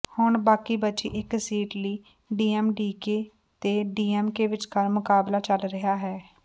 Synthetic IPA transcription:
hʊɳbaːkiːbətːt͡ʃiːʔɪksiːʈliː | ɖiːɛːmɖiːkeː | t̪eːɖiːɛːmkeːʋɪt͡ʃkəɾmʊkaːblaːt͡ʃəlɾəɦaːɦɛː

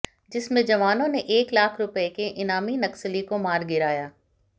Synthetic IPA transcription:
d͡ʒɪsmẽd͡ʒɐʋaːnõnẽʔeːklaːkʰɾʊpekeʔɪnaːminɐksəlikomaːɾɡɪɾaːjaː

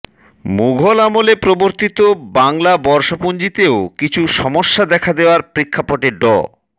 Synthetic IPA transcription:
muɡʱolamolepɾoboɾt̪it̪obaŋlabɔɾʃopund͡ʑit̪eokit͡ɕʰuʃɔmoʃːad̪ɛkʰad̪eoaɾpɾekʰːapoʈeɖɔ̰

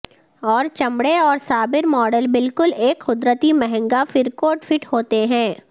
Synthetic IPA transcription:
ɔːɾt͡ʃɐ̃mbɽeɔːɾsaːbɪɾmɔːɖəlbɪlkʊleːkxʊd̪ɾət̪imɛɦɛ̃ŋɡafɪɾkoːʈfɪʈhoːt̪eɦɛ̃ː

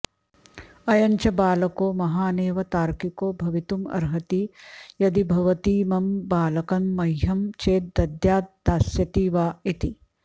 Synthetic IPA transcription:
ɐjɐɲt͡ʃɐbaːlɐkoːmɐɦaːneːʋɐt̪aːɾkikoːbʱɐʋit̪umɐ̰ɾɦɐt̪ijɐd̪ibʱɐʋɐt̪iːmɐmbaːlɐkɐnːɐjɦɐmt͡ʃeːt̪̚d̪ɐd̪jaːt̪̚d̪aːsjɐt̪iːʋaːit̪i

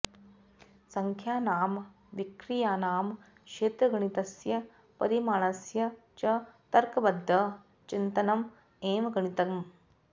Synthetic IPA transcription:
sɐŋkʰjaːnaːm | ʋikɾijaːnaːm | kʃeːt̪ɾɐɡɐɳ̃it̪ɐsjɐ | pɐɾimaːɳɐsjɐ | t͡ʃɐt̪ɐɾkɐbɐd̪ʱːɐ | t͡ʃint̪ɐnɐm | eːʋɐɡɐɳit̪ɐm

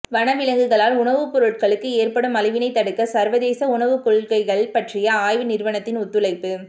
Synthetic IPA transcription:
ʋɐnɐʋɪlɐŋɡɯɣɐɭaːlʊɳɐʋɯpɔɾɯʈ̚kɐɭɯkːɯeːrpɐɽɯmɐlɐɪʋɪnɐɪt̪ːɐɽɯkːɐsɐɾʋɐðeːsɐʊɳɐʋɯkɔɻkɐɪɣɐɭpɐʈrɪjɐaːjʋɯnɪrʋɐɳɐt̪ːɪnʊt̪ːɯlɐɪpːɯ

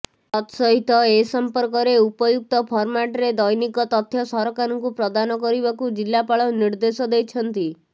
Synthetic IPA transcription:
ɔt̪sɔɦit̪ɔesɔmpɔɾkɔɾeupɔd͡ʒuk̚t̪ɔpʰɔɾmaʈɾed̪ɔjnikɔt̪ɔt̪ʰːjɔsɔɾɔkaɾɔŋkupɾɔd̪anɔkɔɾibakud͡ʒilːapaɭɔniɾd̪esɔd̪ejt͡ʃʰɔnt̪i

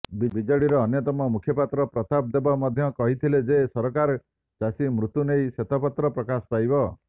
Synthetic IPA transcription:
bibid͡ʒɔɽiɾɔːnjɔt̪ɔmɔmukʰjɔpat̪ɾɔpɾɔt̪ab̚d̪ebɔmɔd̪ʱjɔkɔɦit̪ʰiled͡ʒesɔɾɔkaɾɔ | d͡ʒasimɾut̪unejset̪ʰapat̪ɾɔpɾɔkasɔ̥pajbɔ

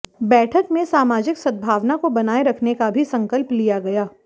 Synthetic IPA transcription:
bɛːʈʰəkmẽsaːmaːd͡ʒɪksɐd̪̚bʱaːʋnakobɐnaːeɾɐkʰnekabʱisɐ̃ŋkəlplijaɡɐjaː

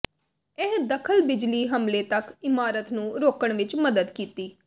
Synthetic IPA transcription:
ɛɦd̪əkʰəlbɪd͡ʒliːɦəmleːt̪əkɪmaːɾət̪nũːɾoːkəɳʋɪt͡ʃməd̪əd̪kiːt̪iː

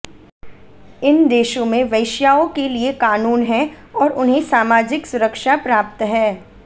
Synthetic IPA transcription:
ɪnd̪eːʃõmẽʋɐɪʃjaːõkeliekaːnuːnɦɛ̃ | ɔːɾʊnɦẽsaːmaːd͡ʒɪksʊɾəkʃapɾaːp̚t̪ɦɛː

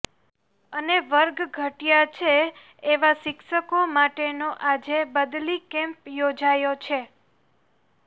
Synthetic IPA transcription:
əneʋəɾɡɡʱəʈjat͡ʃʰeː | ʋaʃɪkʃəkomaʈenoʔad͡ʒebəd̪likɛ̃mpjod͡ʒajot͡ʃʰe

